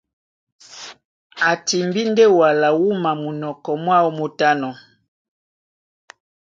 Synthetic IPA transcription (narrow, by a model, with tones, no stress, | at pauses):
a˨ti˨mbi˦ndɛ˦wa˨la˨wu˦ma˨mu˨nɔ˨kɔ˨mwa˦u˦mu˨ta˦nɔ˨